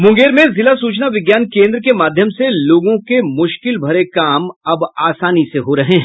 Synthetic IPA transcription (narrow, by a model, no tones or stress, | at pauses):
mʊ̃ŋɡeːɾmẽzɪlasuːt͡ʃnaʋɪɡjaːnkẽːnd̪ɾəkemaːd̪ʱjəmseloːɡõkemʊʃkɪlbʱɐɾekaːmɐbaːsaːniseɦoɾɐɦẽːɦ